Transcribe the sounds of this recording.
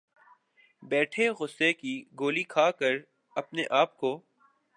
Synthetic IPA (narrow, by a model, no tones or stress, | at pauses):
bɛːʈʰeɣʊsːekiɡoːlikʰaːkɐɾ | ɐpneʔaːp̚koː